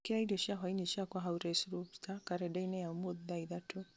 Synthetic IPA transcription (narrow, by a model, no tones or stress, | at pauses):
kiɾaidiɔʃiaɦwaineʃiakwaɦauɾɛsɾuptʰakaɾɛdainɛjamoððaiðatʰo